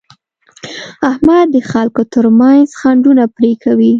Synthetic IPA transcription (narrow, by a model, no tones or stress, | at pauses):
ahmad̪ːəxalkot̪əɾmanzxaɳɖunapɾekʰawi